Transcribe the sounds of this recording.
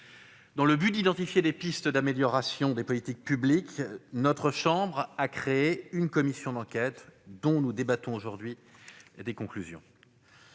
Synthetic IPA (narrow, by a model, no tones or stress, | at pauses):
d̪ɑ̃ləbyd̪id̪ɑ̃t̪ifjed̪epist̪d̪ameljɔʁasjɔ̃d̪epɔlit̪ik̚pybliknɔt̪χəʃɑ̃bʁakχeeynkɔmisjɔ̃d̪ɑ̃kʲɛt̪d̪ɔ̃nud̪ebat̪ɔ̃oʒuʁd̪ɥi | ed̪ekɔ̃klyzjɔ̰̃